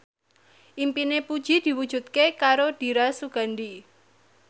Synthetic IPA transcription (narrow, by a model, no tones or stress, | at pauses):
ʔimpinepud̥ʒ̥i̤d̪̥i̤wud̥ʒ̥ṳt̪̚kekaɾod̪̥i̤ɾasuɡ̥a̤ndi